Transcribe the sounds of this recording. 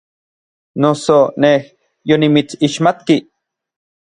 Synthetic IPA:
nosoneh | jonimit͡siʃmat̪ki

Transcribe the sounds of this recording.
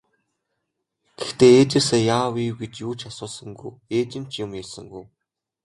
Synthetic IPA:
ɡ̥ext̪eːeːt͡ɕɪ̆seːjaːwiːwɡet͡ɕjuːt͡ɕʰasʊːɮsə̆ŋɡṵjeːt͡ɕɪ̆n̥t͡ɕʰjʊmjasə̆ŋɡuj

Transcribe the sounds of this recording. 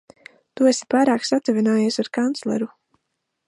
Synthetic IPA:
t̪uesi̥paːɾaːksat̪uvinaːjiɛsaɾkant̪slɛ̰ɾu

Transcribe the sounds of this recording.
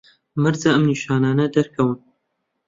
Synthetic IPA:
mɨɾzaʔɐmniʃaːnaːnɐd̪ɐɾkʰɐwɨn

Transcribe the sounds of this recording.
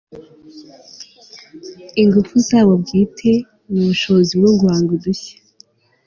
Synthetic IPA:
iŋɡufuzaːβobɟiːtʰe̞ | muβuʃoziβɾuːŋɡuwaːŋɡuduçḁ

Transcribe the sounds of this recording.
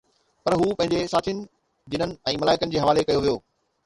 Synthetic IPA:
pɐɾɦuːpɐ̃ɦɪ̃ɲd͡ʑesaːt̪ʰijnɪ̆ | d͡ʑɪnənɪ̆ɛ̃ːmɐlaːɪkənɪ̆d͡ʑeːɦɐʋaːlekɐjoʋijoː

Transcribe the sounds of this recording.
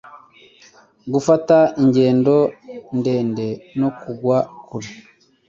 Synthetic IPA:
ɡufataiɲɟe̞ːndo̞nde̞ːnde̞no̞kuɡwakuɾe

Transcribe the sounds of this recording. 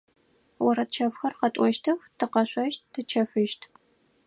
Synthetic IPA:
wɔɾɐtt͡ʃʰɐfxɐrqɐtʷʼɔʃtʰɨxtʰɨqɐɕʷʼɐʃt̚ːʰɨt͡ʃʰɐfɨʃtʰ

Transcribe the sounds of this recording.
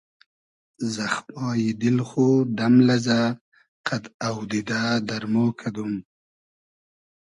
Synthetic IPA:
zaxmɑːjid̪ilxod̪amlaza | qʰad̪awd̪id̪ad̪aɾmoːkʰad̪um

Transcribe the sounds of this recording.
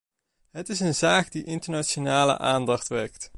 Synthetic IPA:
ɦətɪsənzaːkdiʔɪntəɹnaʃonaːlə̰ʔaːndɑχtʋɛɹkt

